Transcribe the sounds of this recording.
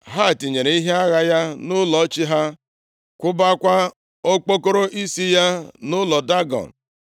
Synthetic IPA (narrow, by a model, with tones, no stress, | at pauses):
ɦa˦˨ti˨ɲe˨ɾe˨i˦ɦe˦a˦ɣa˦ja˦nʊ˦lɔ˨˦t͡ʃi˦ɦa˦ | kʷʊ˦ba˦kʷa˦ | o˦k͡po˦ko˦ɾo˦ʔi˦si˦ja˦nʊ˦lɔ˨da˦ɡɔ̰˨n̩˨